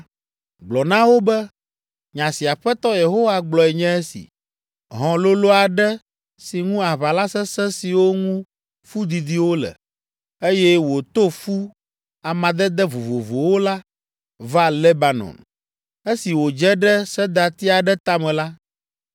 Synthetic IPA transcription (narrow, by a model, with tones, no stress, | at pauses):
ɡ͡blɔ˨nã˦wo˦bɛ˦ | ɲã˨si˨a˨ɸɛ˦t̪ɔ˦je˨ɦo˦wa˦ɡ͡blɔ˨ɛ˨ɲɛ̃˦e˦sḭ˨ | ɦɔ̃˨lo˦lo˦a˨ɖɛ˦ | si˨ŋũ˦a˨βa˨la˦sɛ̃˦sɛ̃˦si˨wo˦ŋũ˦ | fu˦d̪i˨d̪i˦wo˦lɛ̰˨ | e˦jɛ˦wo˨t̪o˦fu˦ | a˨mã˨d̪ɛ˦d̪ɛ˦vo˨vo˨vo˨wo˦la˦ | va˦le˦ba˨nɔ̰˨n | e˦si˨wo˨d͡ʒɛ˦ɖɛ˦sɛ˦d̪a˨t̪i˦a˨ɖɛ˦t̪a˦mɛ̃˨la˦